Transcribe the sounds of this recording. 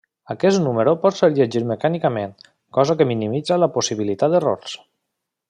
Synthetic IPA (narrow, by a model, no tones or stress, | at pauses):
akɛsnuməɾopɔt̪seɾʎeʒiɾməkanikamen | kɔzakəminimidd͡zalaposiβilit̪ad̪əro̰ɾs